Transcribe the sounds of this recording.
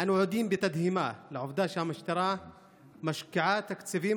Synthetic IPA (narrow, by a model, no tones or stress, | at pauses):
ʔanawʕuːd̪iːmbɪt̪ad̪hɪmalaʕʊfd̪aːʃamaʃt̪ɑɾˤɑ | maʃkaʕaːt̪akt̪safiː